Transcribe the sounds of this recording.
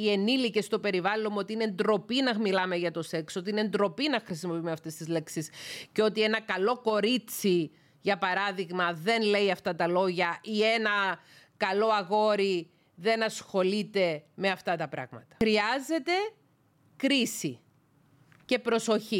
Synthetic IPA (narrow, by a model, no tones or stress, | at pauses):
ie̞nilice̞st̪o̞pe̞ɾivɐlonuot̪iinend̪ɾo̞pinɐmilɐme̞ʝɐt̪o̞se̞ksot̪iinend̪ɾo̞pinɐxɾisimopimeɐft̪est̪izle̞ksisceo̞t̪ie̞nɐkɐlo̞ko̞ɾit͡si | ʝɐpɐɾɐðiɣmɐðe̞nle̞iɐft̪ɐt̪ɐlo̞ʝɐie̞nɐ | kɐlo̞ɐɣo̞ɾi | ðe̞nɐsxo̞lit̪e̞me̞ɐft̪ɐt̪ɐpɾɐ̰ɣmɐt̪ɐ̥ɾiɐze̞t̪e̞ | kɾisi | ce̞pɾo̞so̞çi